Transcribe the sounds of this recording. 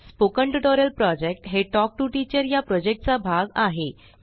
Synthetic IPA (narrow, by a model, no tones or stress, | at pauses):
spokəɳʈəʈoɾəlpɾɔd͡ʑek̚ʈɦeʈɔk̚ʈuʈit͡ɕəɾjapɾɔd͡ʑek̚ʈ̚t͡sabʱaɡaɦe